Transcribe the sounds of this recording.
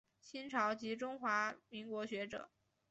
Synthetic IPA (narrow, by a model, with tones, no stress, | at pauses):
ɕi˥nʈ͡ʂʰɑ˧˥ʊt͡ɕi˧˥ʈ͡ʂʊ˥ŋxwa˧˥mi˧˥ŋkwɔ˧˥ɕɥɛ˧˥ʈ͡ʂɤ̰˨˩˦